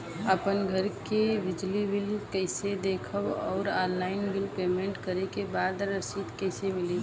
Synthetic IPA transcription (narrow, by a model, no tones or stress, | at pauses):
əpənɡʱəɾkebɪd͡ʒlibɪlkəɪsed̪eːkʰəwɔːɾaːnːaːɪnbɪlpeːmẽɳʈkəɾekebaːd̪ɾəsiːd̪kəɪsemɪli